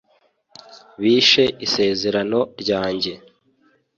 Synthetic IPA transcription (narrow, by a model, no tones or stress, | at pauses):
βiːʃe̞ʔise̞ːze̞ɾano̞ɾɟaːɲɟe̞